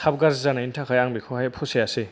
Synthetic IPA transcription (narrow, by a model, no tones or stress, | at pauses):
tʰab̚ɡaɾzzanaintʰakʰajaŋbikʰɔhajpʰɔsejase